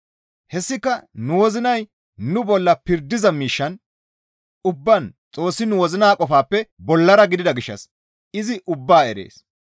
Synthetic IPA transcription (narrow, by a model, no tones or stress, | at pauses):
hɛsːɪkːɐnʊwɔzɪnɐj | nʊbɔlːɐpɪɾd̪ːɪzɐmiːʃːɐn | ʊbːɐnt͡sʼo̞ːsːɪnʊwɔzɪnaːkʼɔfaːpːɛbɔlːɐɾɐɡɪd̪ɪd̪ɐɡɪʃːɐ̰s | ɪzɪʔʊbːaːɛɾḛːs